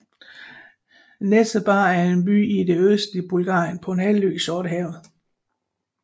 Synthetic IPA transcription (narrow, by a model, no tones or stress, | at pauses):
nesd̥əb̥ɑ̈ːæɐe̝nb̥y̰ːid̥e̝øsd̥lib̥ulɡ̥ɑ̰̈ːjənpʰɒ̽e̝nhɛlly̰ːɡ̥sɒːɾ̥əɦɛʊð̩ˠ